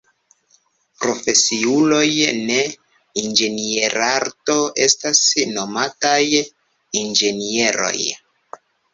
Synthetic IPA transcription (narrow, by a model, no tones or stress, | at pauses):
pɾo̞fe̞siulo̞jne̞ | ind͡ʒe̞nieɾaɾto̞ʔe̞stasno̞mataj | ind͡ʒe̞nie̞ɾo̞̰j